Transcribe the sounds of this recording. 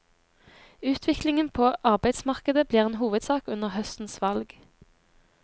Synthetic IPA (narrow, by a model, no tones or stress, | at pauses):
ʉːt̪ʰʋɪklɪŋənpʰoːʔɑʁbæɪd̪smɑʁkəd̪əbliːʁeːnɦuːʋəd̪sɑːkʉnəʁhœst̪n̩sʋɑlɡ